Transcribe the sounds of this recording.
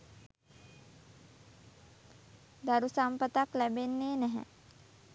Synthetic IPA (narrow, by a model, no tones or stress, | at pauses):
d̪aɾusampət̪aklæbenːeːnæɦɛ̰